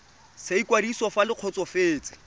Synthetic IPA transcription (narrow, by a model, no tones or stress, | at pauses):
seikwadisɔfalɪq͡χʰɔt͡sɔfeːt͡sɪ̥